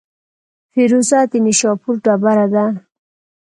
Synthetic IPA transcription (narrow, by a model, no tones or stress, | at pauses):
fiɾusat̪iniʃɔpuɾɖabaɾad̪a